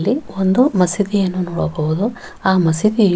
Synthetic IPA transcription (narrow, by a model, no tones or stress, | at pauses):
lːiond̪umɐsid̪ijɐnːunɔːɽɐɡɐʋud̪u | aːmɐsid̪i